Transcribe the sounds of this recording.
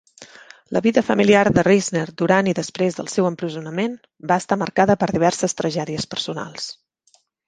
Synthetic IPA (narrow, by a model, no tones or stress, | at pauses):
lə̰βiðəfəmiliaɾðərizneɾd̪uɾaniðəspɾezðəlˠsɛwəmpɾəzunəmen | baəst̪aməɾkaðəpəɾðiβɛrsəst̪ɾəʒɛðiəspərsuna̰lˠs